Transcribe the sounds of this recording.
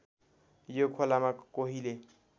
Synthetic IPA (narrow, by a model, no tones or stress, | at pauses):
jokʰolamakoɦile